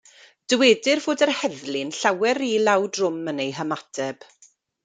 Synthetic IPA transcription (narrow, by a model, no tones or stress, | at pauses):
d̥əweːdɪrvoːdərhɛðlɪnɬawɛɾilˠawdrʊmənejɦəmatʰɛb̥